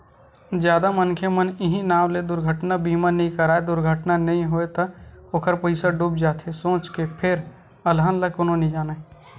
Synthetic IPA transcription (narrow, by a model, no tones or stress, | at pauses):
d͡ʒjaːd̪amənkʰemənɪɦĩnaːmled̪ʊɾɡʱəʈnabiːmanəɦĩkəɾaːed̪ʊɾɡʱəʈnanɐɦĩɦoet̪aoːkʰəɾpəɪsaɖub̚d͡ʒaːt̪ʰesõːt͡ʃkepʰɪɾ | ɐlɦaːnlɐkonõnĩd͡ʒaːna